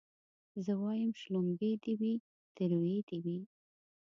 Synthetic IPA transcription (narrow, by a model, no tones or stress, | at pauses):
zəwɑjəmʃlomɡed̪iwi | d̪̥əɾwed̪iwi